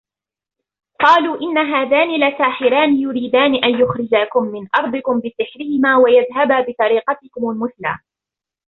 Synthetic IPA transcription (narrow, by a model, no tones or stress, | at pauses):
qɑːluːʔɪnːaɦaːðaːnilasaːħɪɾaːnɪjʊɾiːd̪aːnɪʔanjʊxɾɪd͡ʒaːkʊmːɪnʔɑɾˤd̪ˤɨkʊmbɪsɪħɾɪhɪmaːwajaðɦababɪt̪ˤɑɾiːqɑt̪ɪkʊmalmʊθla̰ː